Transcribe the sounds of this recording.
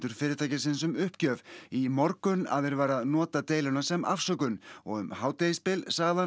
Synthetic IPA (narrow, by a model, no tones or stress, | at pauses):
t̪ʏɾ̥fɪːɾɪɾt̪ʰajcɪsɪnsʏmʏhpcœːvimɔɾkʏna̰ðɛɾvaːɾaðnɔːt̪at̪eːjlʏnasɛmʔa̰fsœkʏnɔ̰ɣʏ̰mhaːwt̪ejispɪlsaɣða